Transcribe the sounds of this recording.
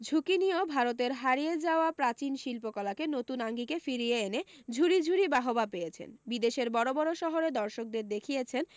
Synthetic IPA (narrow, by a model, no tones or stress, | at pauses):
d͡ʑʱukiniobʱaɾot̪̬eɾɦaɾijed͡ʑaoapɾat͡ɕinʃilpokɔlakenot̪unaŋɡikefiɾieened͡ʑʱuɾid͡ʑʱuɾibaɦobapejet͡ɕʰḛnbid̪eʃeɾbɔɾobɔɾoʃɔɦoɾed̪ɔɾʃok̚d̪eɾd̪ekʰijet͡ɕʰen